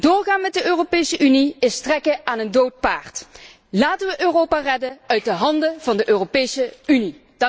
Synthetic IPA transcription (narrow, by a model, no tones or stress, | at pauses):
d̥ʊːrχaːnmɛt̚dəøːropejsəʔyniɪstrɛkəaːnəndowt̚paːɹt | laːtəʋəʔøːrowpaːrɛdənœɥt̚dəɦɑndəv̥ɑndəʔøːropejsəyni | d̥